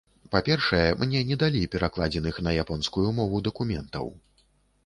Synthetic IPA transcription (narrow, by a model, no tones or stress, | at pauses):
papʲɛrʂɐjɛmnʲɛnʲɛd̪alʲipʲɛɾaklˠad͡zʲɛnɨxnɐjapɔnskujumɔvud̪ɐkumʲɛnt̪ɐ̰w